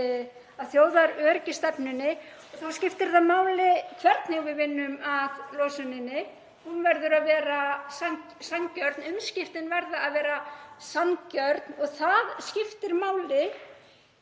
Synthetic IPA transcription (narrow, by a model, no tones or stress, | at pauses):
aðθjoːwðaɾœːɾcɪst̪ɛpnʏnːɪ | ɔɣθaðscɪft̪ɪɾ̥θaðmaːwlɪkʰvɛɾt̪neɣvɪðvɪnːʏmaðloːwsʏnɪnːɪ | hunvɛɾðʏɾaðvɛːɾasan | sancœɾt̪nʏmscɪft̪ɪnvɛɾðaːðvɛːɾasancœɾt̪nɔɣθaðscɪft̪ɪɾmaːwlɪ